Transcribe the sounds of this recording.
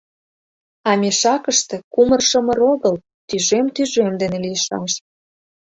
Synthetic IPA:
ɑmʲeʃɑkəʃt̪ĕkumərʃə̆mə̆ɾoɣəl | t̪yʒemt̪yʒemd̪enelijəʃɑʃ

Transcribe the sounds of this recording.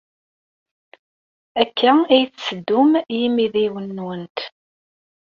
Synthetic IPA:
ækːæijθsəd̪ːʊmjimiðiwənːunt̪

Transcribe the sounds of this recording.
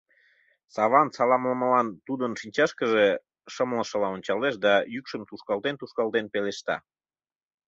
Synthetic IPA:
sɑβɑnsɑlɑmləməlɑnt̪ud̪ənʃinʲt͡ɕɑʃkəʒe | ʃəmləʃə̆lɑonʲt͡ɕɑleʃd̪ɑjykʃəmt̪uʃkɑlt̪ent̪uʃkɑlt̪enpeleʃt̪ɑ̰

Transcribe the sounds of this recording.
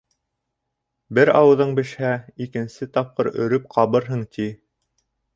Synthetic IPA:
bɘɾɑwɤ̆ðɤɴbɘ̆ʃhæikɘ̆nsɘt̪ɑp̚qɤɾɵ̰̆ɾɵp̚qʰɑβɤɾɦɤɴt̪ʰi

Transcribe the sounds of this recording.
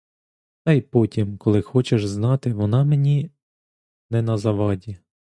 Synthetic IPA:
t̪ɑjpɔtʲimkɔlˠɪxɔt͡ʃeʒznɑt̪ɪʋɔnɑmenʲi | nɛnɐzɐʋɑdʲi

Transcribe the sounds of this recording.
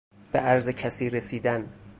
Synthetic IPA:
b̥eʔæɾzecʰæsiːɾesiːd̪æn

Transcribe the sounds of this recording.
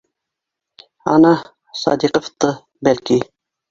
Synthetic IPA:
ɑ̰nɑ | sɑ̰d̪iqəft̪ə | bælki

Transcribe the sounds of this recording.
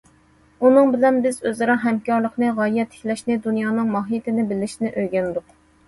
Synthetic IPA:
unɨŋbɪlɛnbɪzøzɨɾɑɦɛmkʲɑɾlˠəqnɨʁɑjɛt̪ʰːɪ̥kʲlɛʃnɪd̪unjɑːnɨŋmɑɦijt̪ʰɪnɪbɪlɪʃinɪʔøjɡʲɛnd̪ʊq

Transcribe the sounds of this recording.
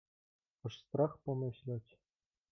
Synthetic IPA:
ɤ̆ʂst̪rɑχpɤ̆mɤ̆ɕlʲɑtʲ

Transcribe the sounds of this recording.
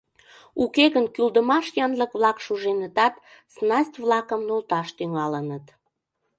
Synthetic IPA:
ukeɣənkyld̪əmɑʃjɑnləkβlɑkʃuʒenət̪ɑt̪ | snɑsʲtʲβlɑkəmnolt̪ɑʃt̪yŋɑlənət̪

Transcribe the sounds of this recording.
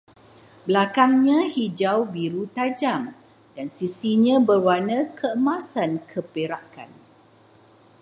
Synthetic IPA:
bəlakaŋɲãhid͡ʒawbiɾut̪ad͡ʒam | dansisiɲãbərwanə̃kʰəəmasankʰəpeɾaka̰n

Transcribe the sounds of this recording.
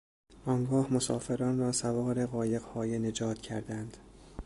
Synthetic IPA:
ʔɒːŋɡɒːhmosɒ̰ːfe̞ɾɒːnrɒːsævɒːɾe̞ɣɒːje̞ɣhɒːjene̞d͡ʒɒːt̪ʰcʰæɾd̪ænd̪̥

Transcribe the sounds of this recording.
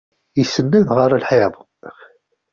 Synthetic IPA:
jəsːənːæðʁəɾˤəlħeðˤ

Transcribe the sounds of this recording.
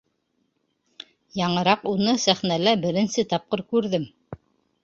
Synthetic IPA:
jɑɴɤ̆ɾɑqunɤsæχnælæbɘ̆ɾɘ̆nsɘt̪ɑp̚qɤɾkʉɾðɘm

